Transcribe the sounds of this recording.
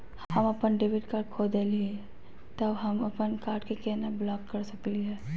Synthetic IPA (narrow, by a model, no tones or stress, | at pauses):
hhɐmɐpənɖeʋɪɖkaːɾɖ̚kʰoːd̪eliɛ | t̪ɐɦɐmɐpənkaːɾɖkekɛːnablɔːkːɐɾsɐkliɦɛː